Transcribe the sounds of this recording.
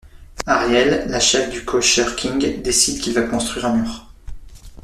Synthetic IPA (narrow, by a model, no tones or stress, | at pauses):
aʁjɛlːaʃɛfd̪ykʰɔʃœʁkʲʰiŋɡd̪esid̪kʲilvakɔ̃st̪χwɥiʁɛ̃nyʁ